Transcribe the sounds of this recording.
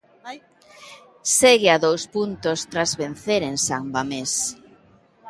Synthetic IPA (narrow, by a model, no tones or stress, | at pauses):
seɣɪaðowspunt̪ost̪ɾazβen̟θeɾensaŋbames